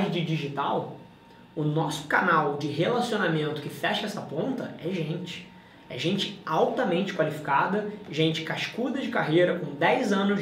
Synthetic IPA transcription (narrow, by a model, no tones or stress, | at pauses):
d͡ʒɪd͡ʒiʒit̪aw | ʊnɔsʊ̥kanawd͡ʒɪɦelasionamẽnt̪ʊkɪfɛʃɐɛsɐpõnt̪ɐɛʒẽnt͡ʃɪ̥ | ɛ̰ʒẽnt͡ʃɪ̥awt̪ɐmẽnt͡ʃɪ̥kwalifi̥kad̪ɐʒẽnt͡ʃɪ̥kaʃkud̪ɐd͡ʒɪkaɦejɾɐkõd̪ɛjzɐ̃nʊ